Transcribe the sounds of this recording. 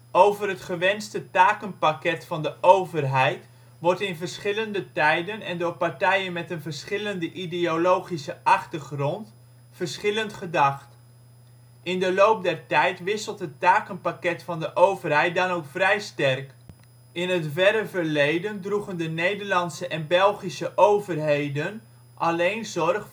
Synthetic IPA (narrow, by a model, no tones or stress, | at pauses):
ʔowvərɦətχəʋɛnstətaːkənpakɛtfɑndəʔowvərɦɛjt | ʋɔɹtɪnvəɹsχɪləndətɛjdənɛndʊːɹpɑɹtɛjənmɛtənvəɹsχɪləndəʔideolowχisəʔɑχtəɹχrɔnt | fəɹsχɪləntχədɑχt | ʔɪndəlowp̚dɛrtɛjtʋɪsəlˠtɦətːaːkənpakɛtfɑndəʔowvərɦɛjt̚dɑnowkfrɛjstɛrk | ɪnətvɛɾəvəɹlejdəndruχəndənejdəɹlɑntsəʔɛnbɛlˠχisəʔowvərɦejdən | ʔɑlejnzɔrχ